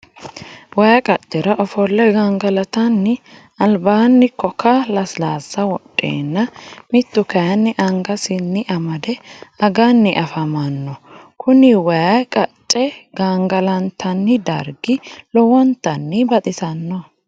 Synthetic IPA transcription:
wɐjɐkʼɐt͡ʃʼːɛɾɐʔɔfɔlːɛɡaŋɡɐlɐt̪ɐnːɪ | ɐlbaːnːɪkːɔkɐlɐslaːzːɐwɔɗʼːḛːnːɐmɪt̪ːʊkɐjɐnːɪʔɐŋɡɐsɪnːɪʔɐmɐd̪ɛɐɡanːɪʔɐfɐmɐnːɔkʰʊnɪwɐjakʼɐt͡ʃʼːɛɡ̥aːŋɡɐlɐnt̪ʰɐnːɪd̪ɐ̰ɾɡɪlɔwɔnt̪ːɐnːɪbɐt̪ʼɪsɐnːɔ

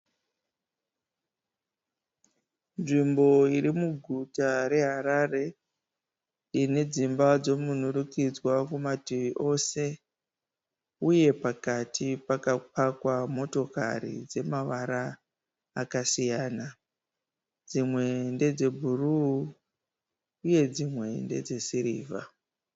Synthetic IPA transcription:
nʐimbo̞iɾimuɡʱutaɾe̞ɦaɾare̞ | ine̞d͡zimbad͡zo̞munurukid͡zwakumatiiʔo̞se̞ | uje̞pakatʰipakapakwamo̞to̞ka̰ɾḭd͡ze̞maʋaɾaː | kasijaːna | d͡zimwe̞nde̞d͡ze̞bʱuru | je̞d͡zimwe̞nde̞̰d͡ze̞siɾiːvʱa̰

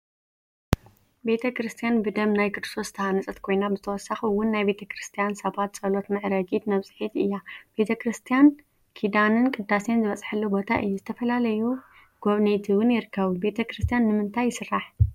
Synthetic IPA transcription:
be̞t̪ʰɐkɾɨst̪ʰijanbɨd̪ɐmnajkʰɨd̪ɨ̥sʰo̞st̪ʰɐhanɨt͡sʼɐt̪kʰo̞jnabɨzɨt̪ʰɐwɔsːaxiwʊnːajbe̞t̪ʰɐkɾɨst̪ʰijansɐβat̪t͡sʼɐlo̞t̪nɨʕɨɾɐɡit̪nɐβsʼɨ̥ħit̪ɨjːab̥e̞t̪ʰɐkɾɨst̪ʰijan | kʰid̪anɨnkʼɨd̪ːase̞nzɨβɐt͡sʼħɐlːubo̞t̪ʰaʔɨ̰jːuzɨt̪ʰɐfɐlalɐju | ɡ̥oβnet̪ʰiwʊnjɪɾɨkʰːɐβube̞t̪ʰɐkɾɨst̪ʰijanːɨmɨnt̪ʰajːɪsɨrːaħ

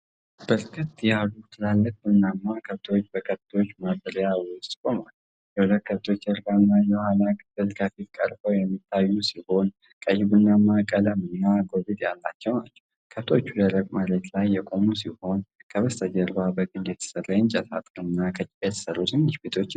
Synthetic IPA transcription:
b̥əɾkʰət̪ːjalut̪ʰɨlalːək̚ʼbɨnːamːakʰəβt̪ʰwot͡ʃːbəkʰəβt̪ʰo̞t͡ʃːmabəɾjawʊst̪ʼkʼo̞mal | jɛhulət̪̚kʰəβt̪ʰo̞t͡ʃːjəɾbanːajɛwhanakʰɨfɨlkʰəfit̪kʼə̰ɾfəwjɛmːit̪ʰːajːusiho̞n | kʼəjːɪβɨnːamːakʼələmɨnːaɡo̞lɨt̪ja̰lːa̰t͡ʃːɛwnat͡ʃːɛw | kʰəβt̪ʰo̞t͡ʃːuləɾəkʼmalət̪lajːɛkʼo̞musiho̞nkʰəβəst̪ʰəd͡ʒəɾbabəɡʼɨnd̪jɛt̪ʰə̥sərajɪnt͡ʃʼɛt̪a̰t̪ʼɾɨɨnːakʰət͡ʃʼːjɛt̪ʰə̥sərːusɨnːɪʃbet̪ʰo̞t͡ʃː

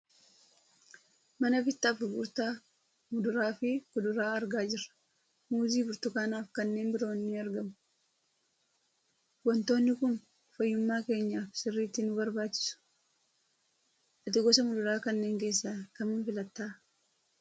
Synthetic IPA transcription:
mɐnɐfɪt̪ːaːfʊɡṵːɾt̪a | mʊd̪ʊɾaːfɪkʊd̪ʊɾaːɐɾɡaːd͡ʒɪrːɐ̥ | muːziːbʊɾt̪ʊkaːnaːfkɐnːe̞ːnbɪɾo̞ːnːɪɐɾɡɐmʊ̥ | wɔnt̪o̞ːnːɪkʊn | fɐjːʊmːaːke̞ːɲːaːfsɪrːiːt̪ːɪnʊbɐɾbaːt͡ʃːɪ̥sʊ̥ | ʔɐt̪ɪɡɔsɐmʊd̪ʊɾaːkɐnːe̞ːŋke̞ːsːaːkɐmʊnfɪlɐt̪ːaː

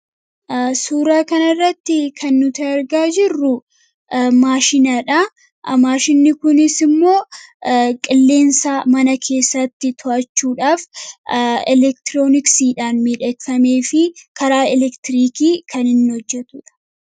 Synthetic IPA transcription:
suːɾaːkɐnɐrːɐt̪ːɪkʰɐnːʊt̪ɐɐɾɡaːd͡ʒɪrːʊ | maːʃɪnɐᶑa | maːʃɪnːɪkʊnɪsɪmːo̞ː | kʼɪlːe̞ːnsaːmɐnɐkʰe̞ːsːɐt̪ːɪt̪ʰɔʔɐt͡ʃːuːᶑaːf | ɛlɛk̚t̪ɪɾo̞ːnɪksiːᶑaːnmiᶑɛkfɐme̞ːfɪkɐɾaːɛlɛkt̪ɪɾiːkiːkʰɐnɪnːɪhɔd͡ʒːɛt̪ʊᶑɐ̥

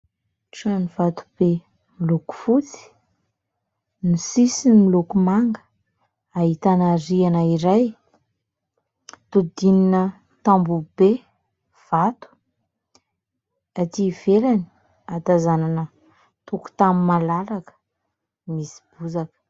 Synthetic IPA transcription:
ʈ͡ʂanivat̪u̥b̥e | miluku̥fut͡si̥ | nisisinmilukumaŋɡə̥ | aɦit̪anaɾianaiɾaj | t̪ud̪ininə | t̪ambube | v̥at̪u̥ | at̪iv̥elani̥ | at̪azananə | t̪uku̥t̪amimalaɾakə̥ | misi̥b̥uzakə̥

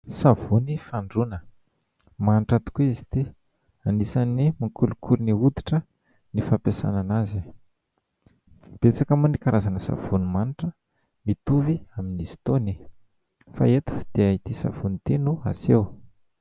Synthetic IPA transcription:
savunifaɳɖ͡ʐunə | maniʈ͡ʂat̪u̥keizi̥t̪i | anisanimakulukʰuɾiniud̪iʈ͡ʂə | nifapesa̰nanazi | b̥et͡sakamunikaɾʔazanəsa̰v̥unimaniʈ͡ʂə | mit̪uviaminisi̥t̪oni | fa̰et̪u̥d̪̥eait̪isa̰v̥unit̪enua̰sew

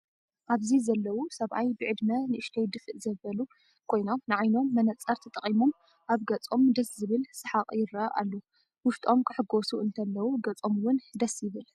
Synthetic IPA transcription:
ʔaβzizɐlːɐwusɐβʔajbɨʕɨd̪mɐnɨɨʃt̪ʰɐjd̪ɨfɨʔzɐβɐlu | kʰo̞jno̞mnɨʕajno̞mːɐnɐt͡sʼːɐɾt̪ʰɐt̪ʼɐχʼimo̞m | ʔaβɡɐt͡sʼo̞md̪ɐszɨβɨlsɨħaqʼjɪɾaʔa̰lːo | wʊʃt̪ʼo̞mkʰɨħɨɡo̞suɨnt̪ʰɐlːɐwuɡɐt͡sʼo̞mwʊnd̪ɐsjɪβɨl

